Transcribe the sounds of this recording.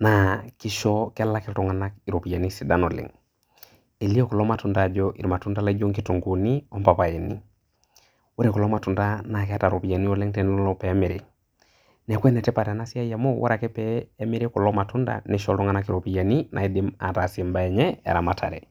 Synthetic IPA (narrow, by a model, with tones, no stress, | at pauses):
na˨ki˦ʃɔ˦ka˦la˦kɛ˦ltu˦ŋa˨na˦ki˨ɾo˨pi˨ja˨ni˦si˨da˦no˨lḭ˨ŋ | e˨li˦o˦ku˨lɔ˦ma˨tu˦nda˨d͡ʒɔʔḭ˨ɾma˨tu˦nda˦la˦d͡ʒo˦ŋki˦tu˨ŋɡu˨ni˦o˦mpa˨pa˨e˨nḭ˦ | wo˦ɾe˨ku˨lɔ˦ma˨tu˨nda˦na˨kɛ˦a˦ta˨ɾo˨pi˨a˨ni˦o˦le˦ŋtɛ˦n˦lɔ˦lɔ˦pɛ˨˦meɾi˨ | nɛ˨kʷwɛ˦nɛ˨tɛ˦pa˨ɾa˨na˦si˦a˦ja˨mo˦wʔa̰ɾa˨kɛ˦pɛː˦me˦ɾe˦ku˨lɔ˦ma˨tu˦nda̰˨ni˦ʃɔ˦ltɔ˦ŋa˨˦na˦ki˨ɾo˨pi˨ja˨ni˦nʔa̰˨i˦di˦ma̰˨ta˨si˨mba˦ɛ˨ɲɛ˦ḛ˨ɾa˨ma˨tʰa˨ɾḛ˨